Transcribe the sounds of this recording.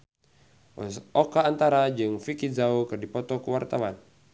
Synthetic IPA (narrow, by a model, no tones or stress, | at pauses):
sɔkaːnt̪aɾad͡ʒɨŋfikizaukɨrdipɔt̪ɔkəwart̪awan